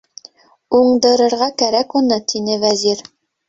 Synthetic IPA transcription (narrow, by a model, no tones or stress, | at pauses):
uɴd̪ɤ̆ɾɤ̆ɾʁɑkæɾækunɤt̪ʰinɘvæziɾ